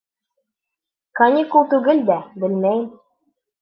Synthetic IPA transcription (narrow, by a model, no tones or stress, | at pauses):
kɐnʲikulˠt̪ʉɡɘld̪æbɘlmæjɘm